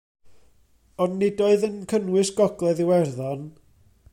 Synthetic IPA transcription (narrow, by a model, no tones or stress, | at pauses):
ɔnːɪdoɨðənkʰənwɪsɡ̥ɔɡlˠɛðɪwɛrðɔn